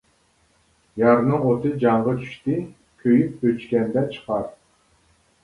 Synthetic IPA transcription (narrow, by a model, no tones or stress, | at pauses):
jɑɾnɨŋot̪ɨd͡ʒɑŋʁɑt͡ʃ̪ʰy̥ʃt̪ɪ | kʲʰøjyp̚øt͡ʃkʲɛnd̪ɛt͡ʃʰə̥qʰɑɾ